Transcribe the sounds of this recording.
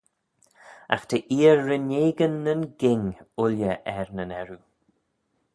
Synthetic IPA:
a̰xt̪ʰəʔiːəɹːəneːɡənːənɡɪŋʊljəʔɛɹnənɛɹu

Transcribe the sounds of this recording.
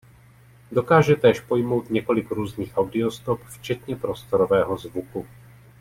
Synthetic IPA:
do̞kaːʒɛt̪ɛːʃpo̞jmo̞wt̪ɲɛko̞lɪkɾuːzɲiːxʔawdɪo̞st̪o̞pft͡ʃɛt̪ɲɛpɾo̞st̪o̞ɾo̞vɛːɦo̞zvuku

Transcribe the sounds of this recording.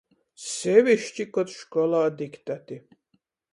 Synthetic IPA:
sɛwiʃt͡ʃikɔt̪ʃkɔlaːd̪ikʰt̪ʰʼat̪i

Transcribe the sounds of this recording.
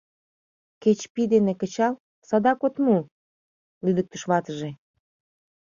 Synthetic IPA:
ket͡ɕpid̪enekət͡ɕɑl | sɑd̪ɑkot̪mu | lyd̪ək̚t̪əʃβɑt̪əʒe

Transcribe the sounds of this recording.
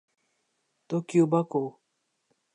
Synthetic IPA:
t̪okʲubako

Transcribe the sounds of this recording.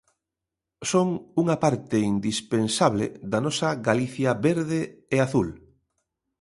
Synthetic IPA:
soŋuŋɐpaɾt̪ɪind̪ispensaβlḛd̪anɔsɐɣaliθjaβeɾðeeaθul

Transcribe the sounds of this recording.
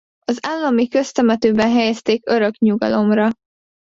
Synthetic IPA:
ɒzaːlːɒmikø̞st̪ɛmɛt̪øːbɛnɦɛjɛst̪eːkø̞ɾø̞kɲuɡɒ̰lo̞mrɒ

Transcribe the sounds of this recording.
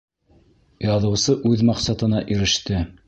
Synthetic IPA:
jɑðɤ̆wsɤʔʉðmɑqsɑt̪ɤ̆nɑʔiɾɘ̆ʃt̪ɘ

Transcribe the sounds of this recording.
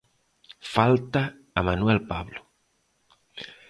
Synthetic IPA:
falt̪aː | manwelpaβlo

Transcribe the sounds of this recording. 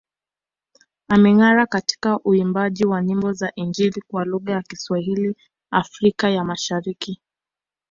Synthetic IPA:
amɛŋaɾakati̥kaʔuimbaʄiwaɲimbɔzaʔind͡ʒiɾikwaluɣajakiswaɦili | afɾikajamaʃaɾiki

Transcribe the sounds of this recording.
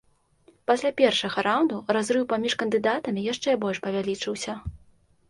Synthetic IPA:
pasʲlʲapʲɛrʂɐɣɐɾawnd̪urazɾɨwpamʲiʂkɐnd̪ɨd̪at̪ɐmʲijaʂt͡ʂɛbɔlʲʂpɐvʲalʲit͡ʂɨwsʲɐ

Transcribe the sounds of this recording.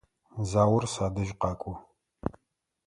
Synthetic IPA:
zaːwʊrsaːdɐʒqɑːkʷʼʊ

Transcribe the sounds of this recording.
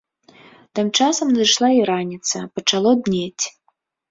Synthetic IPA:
t̪ɨmt͡ʂasɐmnɐd̪ɨʂlˠaiɾanʲit̪sɐpɐt͡ʂalˠɔd̪nʲet͡sʲ

